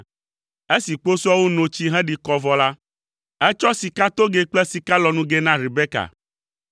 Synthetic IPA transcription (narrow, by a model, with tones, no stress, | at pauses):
e˦si˨k͡po˦su˦a˦wu˦nõ˨t͡ɕi˦ɦɛ̃˦ɖi˨kɔ˨vɔ˦la˦ | ɛ˦t͡ʃɔ˦si˨ka˦t̪o˦ɡe˦k͡plɛ˦si˨ka˦lɔ˨nũ˦ɡe˦nã˦ɾi˨be˦ka̰˨